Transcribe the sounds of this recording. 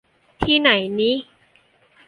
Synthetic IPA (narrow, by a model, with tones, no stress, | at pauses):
t̪ʰiː˥˩na˩˦jniː˦˥